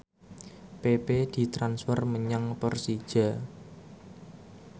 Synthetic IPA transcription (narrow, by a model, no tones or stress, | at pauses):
peped̪̥i̤t̪ɾansfərməɲaŋpərsi̥ʒ̥a̤